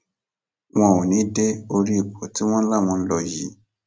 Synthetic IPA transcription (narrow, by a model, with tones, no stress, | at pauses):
w̃ɔ̃˧˦˨wo˨nĩ˨˦de˦o˧ɾi˦i˦˨k͡pɔ˨ti˨˦w̃ɔ̃˦la˦˨w̃ɔ̃˧n̩˦lɔ˧˨ji˨˦